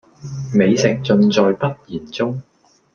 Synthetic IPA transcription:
me˨˧jsɪ˨k̚t͡sɵ˧nt͡sɔː˨jpɐ˥t̚jiː˨˩nt͡sʊ˥ŋ

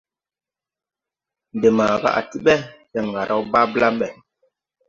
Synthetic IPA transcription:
nde˨ma˨ɡa̰˦ʔa̰˨ti˦ɓɛ˦tɛ˨ŋɡa˨ɾʔa˦wba˦bla˦ɓɛ˨

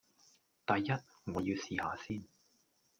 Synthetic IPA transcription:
t̪ɐ˨jːɐ˥t̚ | ŋɔː˨˧jiː˧wsiː˨ha̰ː˨˧siː˥n

